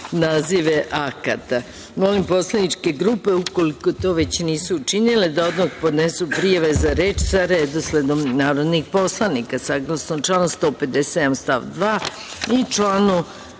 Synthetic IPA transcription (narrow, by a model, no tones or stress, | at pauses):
naːziʋeʔakat̪a | mo̞limpo̞slˠanit͡ʃke̞ɡɾuːpe̞ukoliko̞t̪o̞ʋe̞t͡ɕniːsuːt͡ʃiniled̪ao̞d̪mokpod̪nesupɾijaʋe̞zaɾe̞ːt͡ʃsaɾed̪osled̪omnaːɾo̞d̪nixpo̞slˠanikasaɡlˠasnot͡ʃlˠaːnust̪o̞pe̞d̪esed̪amst̪a̰ʋd̪ʋaː | it͡ʃlaːnu